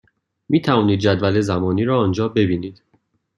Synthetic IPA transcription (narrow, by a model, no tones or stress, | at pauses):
miːt̪ʰævɒːniːd̪̚d͡ʒæd̪væle̞zæmɒːniːɾɒːnd͡ʒɒːbe̞biːniːd̪̥